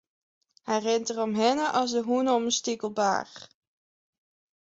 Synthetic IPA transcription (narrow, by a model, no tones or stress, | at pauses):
hɛjrɪntərɔmɦɪnəʔɑlˠsdəɦunɔmənstikəlˠba̰ːr